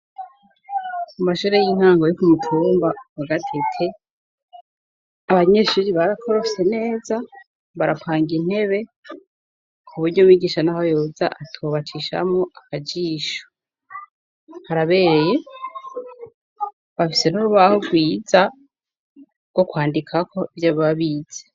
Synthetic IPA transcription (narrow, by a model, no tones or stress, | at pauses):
mumaʃuːɾejiːŋhaːŋɡo̞jokumutʰuːmbawaɡatʰetʰe | aβaɲeʃuɾiβaɾakʰo̞ɾo̞ise̞ne̞ːza | βaɾapʰaːŋɡin̥he̞βe̞ | kʰuβuɾɟomwiːɡiːʃanaho̞joːza̰ʔatʰoβat͡ʃiʃa̰mŋoʔakad͡ʒiːʃo̥ | haɾaβe̞ːɾeje̞ | βafise̞nuɾuβahoɡwiːza | ɡ̥o̞kwaːndikʰakʰo̞ivjaββaβiːz̥e